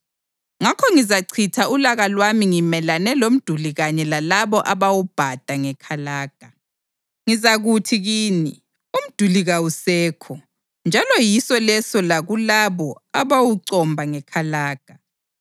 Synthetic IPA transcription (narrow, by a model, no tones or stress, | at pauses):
ŋakʰɔŋizaǀʰitʰaulaɣalwamiŋimɛlanɛlom̩d̥ʱuliɣaɲɛlalaβɔʔaβawub̥ʱad̥ʱaŋɛkʰalaːɡ̥ʱa | ŋizaɣutʰiɣiːni | um̩d̥ʱuliɣawusɛːkʰɔ | nd͡ʒʱalɔjisɔlɛsɔlaɣulaβɔaβawuǀɔmbʱaŋɛkʰalaːɡ̥ʱa